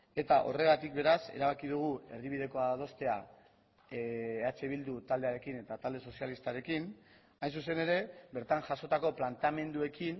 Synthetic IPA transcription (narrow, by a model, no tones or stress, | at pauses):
e̞t̪aʔo̞re̞ɣ̞at̪ik̚be̞ɾase̞̰ɾaβ̞akið̞uɣ̞ue̞̰riβ̞ið̞e̞ko̞að̞o̞st̪e̞a | at͡ʃe̞β̞ild̪ut̪ald̪e̞aɾe̞kine̞t̪at̪ald̪e̞so̞sjalist̪aɾe̞kin | ajns̬use̞ne̞ɾe̞be̞ɾt̪aŋʝaso̞t̪ako̞plant̪ame̞nd̪ue̞kin